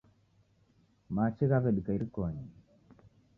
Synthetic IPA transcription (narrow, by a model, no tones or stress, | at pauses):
mat͡ʃeɣaβɛɗikaiɾikɔɲi